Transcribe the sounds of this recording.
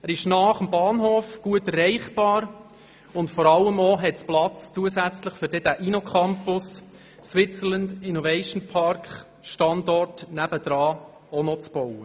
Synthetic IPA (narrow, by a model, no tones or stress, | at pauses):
æɾɪʃnɑːχəmbɑːnɦoːfɡ̥uətərɛɪχb̥ɑːɾ | ʊntfɔɾɑlːəmoɦɛtsplɑt͡st͡suəsæt͡sləχfʏɾdɛd̥æʔinokʰɑmpʊs | swɪt͡sələndɪnovɛɪʃn̩pʰɑɾkχ | ʃtɑndɔrtnæb̥əd̥ɾɑː | onɔt͡sb̥owə